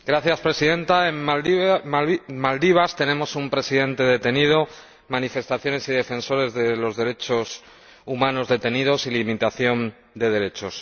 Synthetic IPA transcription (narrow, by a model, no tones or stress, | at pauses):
ɡɾaθjaspɾe̞siðe̞nt̪ae̞m | mald̪iβ̞ast̪e̞ne̞mo̞sumpɾe̞siðe̞nt̪e̞ðe̞t̪e̞nið̞o̞ | manife̞st̪aθjo̞ne̞siðe̞fẽ̞nso̞ɾe̞zðe̞lo̞zðe̞ɾe̞t͡ʃo̞s | umãno̞zðe̞t̪e̞niðo̞silimit̪aθjo̞n | d̪e̞ðe̞ɾe̞t͡ʃo̞s